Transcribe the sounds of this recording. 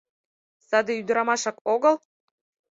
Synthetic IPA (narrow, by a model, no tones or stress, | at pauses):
sɑd̪ĕyd̪əɾɑmɑʃɑkoɣɤ̆l